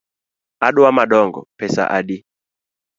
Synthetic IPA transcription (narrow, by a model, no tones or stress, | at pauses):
aɗuamaɗɔŋɡɔ̰pɛsa̰ʔaɗi